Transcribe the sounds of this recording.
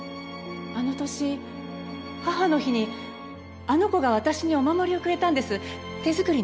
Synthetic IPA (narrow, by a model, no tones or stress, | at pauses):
ano̞t̪o̞ɕi | haɦano̞çiɲ̟i | ano̞ko̞ɡaβ̞at̪aɕiɲ̟io̞mamo̞ɾʲio̞kɯ̟ɾe̞t̪ãnd̪e̞sɨ | t̪e̞zɨkɯ̟ɾʲi